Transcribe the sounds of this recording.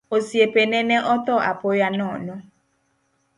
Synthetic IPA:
osiepenɛnɛʔɔt̪ɔʔa̰pojanɔnɔ

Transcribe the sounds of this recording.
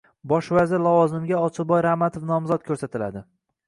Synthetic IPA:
bɒʃvazɪɾlavɒzɪmɡʲaɒt͡ʃʰɪbɒjɾahmat̪ʰofn̪ɒmzɒt̪kʰɵɾsat̪ʰɪlad̪ɪ

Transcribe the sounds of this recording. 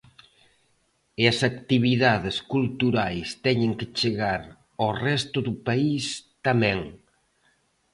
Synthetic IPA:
ɪɐsakt̪iβiðaðɪskult̪uɾajst̪ɛɲɪ̃ŋkɪt͡ʃeɣaɾ | orɛst̪ʊðʊpaist̪amɛ̃ŋ

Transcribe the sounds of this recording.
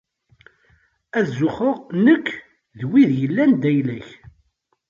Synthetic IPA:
æðzʊχəʁnəkː | ðwiðjəlːænd̪æjlæç

